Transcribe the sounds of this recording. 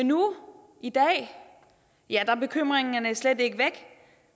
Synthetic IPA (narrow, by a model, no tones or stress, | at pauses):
enːu | ʔid̥ɛ̰ː | jæd̥ɑ̈b̥e̝kʰøm̰ʁeŋnɐnæsled̥e̝ɡ̥əʋeɡ̥